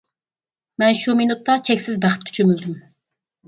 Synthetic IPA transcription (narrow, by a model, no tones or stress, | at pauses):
mɛnʃuminut̪ːɑt͡ʃʰɛkʲsɪzbæχə̥t̪̚kʲʰy̥t͡ʃʰømyld̪ym